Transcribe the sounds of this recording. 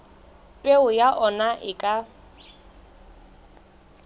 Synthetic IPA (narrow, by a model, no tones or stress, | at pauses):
pʼeʊjaʔɔnaʔɪkʼa